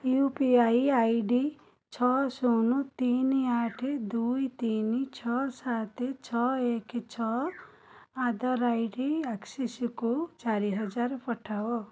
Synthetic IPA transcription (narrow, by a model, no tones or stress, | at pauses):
juːpiaːiaːiɖi | t͡ʃʰɔːsoːnut̪iːnaːʈʰd̪uːit̪iːnit͡ʃʰɔsaːt̪et͡ʃʰɔeːkt͡ʃʰɔ | aːd̪əɾaːiɖiaksisikot͡ʃaːɾiɦɐd͡ʒaːɾpɐʈʰao